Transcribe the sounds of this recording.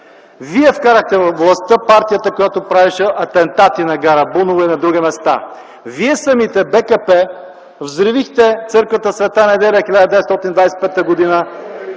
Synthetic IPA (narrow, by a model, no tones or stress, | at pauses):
viɛfkaɾəxt̪ɛvɐfvlˠɐst̪əpaɾt̪ijət̪əkojat̪opɾaviʃɛʔɐt̪ɛnt̪at̪inɐɡaɾəbunovɐinɐd̪ɾuɡʲimɛst̪a̰ | viɛsəmit̪ɛbɛkɐpɛ | vzɾivixt̪ɛt̪sɤɾkvət̪əsvɛt̪ənɛd̪ɛlʲəxilʲad̪əd̪ɛvɛt̪ɔt̪inid̪vajsɛ̥pɛt̪ːəɡod̪inə